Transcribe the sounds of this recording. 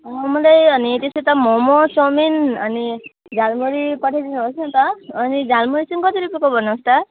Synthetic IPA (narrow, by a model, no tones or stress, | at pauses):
ʌmʌlajʌnit̪eset̪ʌmɔmot͡sɔminʌni | d͡zalmuɾikʌʈʰedinɦosnãt̪ʌːnid͡zalmuɾit͡sʌnikʌt̪iɾupekobʱʌnãst̪a